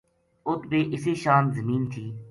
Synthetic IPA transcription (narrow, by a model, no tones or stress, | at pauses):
ʊt̪beːʔɪseːʃaːnzəmiːnt̪ʰiː